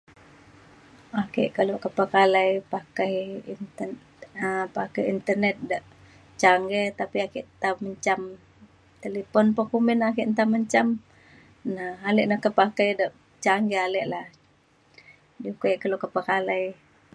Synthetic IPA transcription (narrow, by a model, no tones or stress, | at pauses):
akeʔkəloʔkəpəkalajpakajn | apakajint̪ərnɛt̪̚daʔ | t͡ʃaŋɡet̪apiakiʔt̪aməɲt͡ʃam | t̪elepɔnpokumɛnakiʔnt̪aməɲt͡ʃam | naalɛʔnahkəpakajdəʔ | t͡ʃaŋɡɛalɛʔlah | dukajʔkəloʔkəpəkalaj